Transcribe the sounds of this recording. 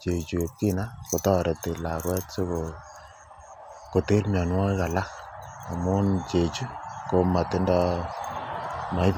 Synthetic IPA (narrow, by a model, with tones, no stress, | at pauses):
t͡ʃe˨t͡ʃu˨e˨p̚ki˦na˦ko˨tɔ˦ɾe˨te˨la˨ɾwɛ˦tso˦ko˨ | ko˨te˦ɾmja˨nwa˦ka˨la˦a˨mu˦nt͡ʃe˨t͡ʃu˦ko˧ma˨tɪ˦ndɔ˧ | ma˨jp